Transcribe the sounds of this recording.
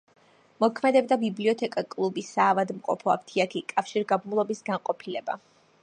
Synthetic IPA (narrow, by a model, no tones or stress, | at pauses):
mɔkʰmɛd̪ɛbd̪abibliɔt̪ʰɛkʼakʼlˠubisaːvad̪mqʼɔ̰pʰɔa̰pt̪ʰiakʰikʼafʃiɾɡabmulˠɔbisɡanqʼɔpʰilɛba̰